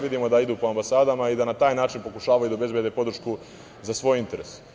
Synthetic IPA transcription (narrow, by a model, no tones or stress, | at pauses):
ʋid̪imo̞d̪aid̪uːpo̞ambasaːd̪amaid̪anat̪aːjnaːt͡ʃinpo̞kuʃaːʋajud̪aobe̞zbjed̪epo̞d̪ɾ̩ʃku | zasʋo̞ːjint̪e̞ɾes